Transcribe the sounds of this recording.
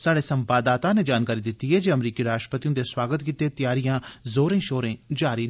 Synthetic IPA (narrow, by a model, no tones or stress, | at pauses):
saːɽeːsəmpaːd̪aːt̪ãːneːd͡ʒaːnkaːɾiːd̪ɪt̪ːiːɦɛːd͡ʒeːəmɾiːkiːɾaːʃʈɾəpət̪iõːd̪eːswaːɡət̪kiːt̪eːt̪ɪjaːɾijãːzoːɾẽːʃoːɾẽːd͡ʒaːɾiː